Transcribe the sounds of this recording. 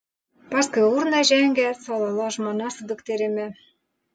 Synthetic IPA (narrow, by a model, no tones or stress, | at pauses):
pɑskɤ̆urnɑʒæŋɡæsɑlˠɑlɑʒmɑnɑsɤd̪ɤ̆kt̪eɾɘ̆mæ